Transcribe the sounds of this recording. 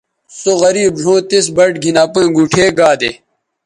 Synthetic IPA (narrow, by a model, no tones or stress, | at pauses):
soɣɐɾiːbɖ̤ʱõːt̪es̬bɐʈɡʱinaːpũɡuːʈʰeːɡaːd̪ḛ